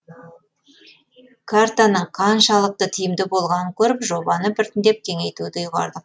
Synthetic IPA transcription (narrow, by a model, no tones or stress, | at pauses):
kʰaɾt̪anəɴqʰɑnʃɑlˠəq̚t̪ət̪ʰɪjɪmd̪ɪbo̞lˠʁɑnəŋkʲʰɵɾɪpʒo̞bɑnəpɪɾt̪ɪnd̪e̞p̚kʲʰe̞ŋe̞jt̪ud̪ɪjuʁɑ̰ɾd̪əq